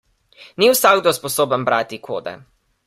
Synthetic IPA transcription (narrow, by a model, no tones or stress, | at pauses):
niwsaɡd̪ospɔsoːbənbɾaːt̪ikʰo̰ːd̪ɛ̰